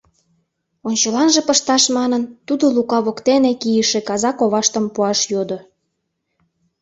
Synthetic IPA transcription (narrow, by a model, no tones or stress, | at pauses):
onʲt͡ɕəlɑnʒĕpəʃt̪ɑʃmɑnənt̪ud̪olukɑβokt̪enekijəʃĕkɑzɑkoβɑʃt̪ə̆mpuɑʃjod̪o